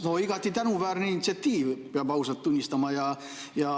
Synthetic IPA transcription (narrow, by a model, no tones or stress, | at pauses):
no̞iɡ̥ɑt̪ːˑit̪ænuvæːɾninit̪siɑt̪ːiːvpeɑbɑwsɑlt̪ːunʲːist̪ɑmɑjɑ | jɑ